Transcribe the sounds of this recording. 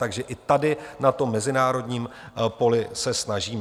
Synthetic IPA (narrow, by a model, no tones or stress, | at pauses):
aɡʒɛʔɪt̪adɪnat̪o̞mːɛzɪnaːɾo̞dɲiːm | po̞lɪsɛsnaʒiːm